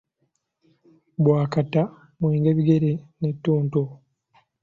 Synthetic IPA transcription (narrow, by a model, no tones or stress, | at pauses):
bwaːkata | mwiːŋɡeβiɡe̞ɾenetːuːnto